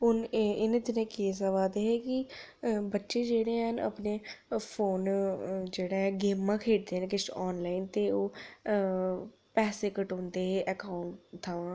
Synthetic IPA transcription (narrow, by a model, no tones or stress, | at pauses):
ʊnɪnːd̪ɪnẽːkeːs̬əʋaːd̪eːɦɛːkɪ | bətːʃeːd͡ʒeːɽeːɦənʔə̰pneːpʰoːnd͡ʒeːɽaːɛ̃ːɡeːmːãːkʰeːʈ̚d̪eːɦənkɪʃɔːnlaːint̪eːoː | pɛːseːkəʈõːnd̪eːɦeːʔɛkaːʊɳʈt̪ʰːaːʋãː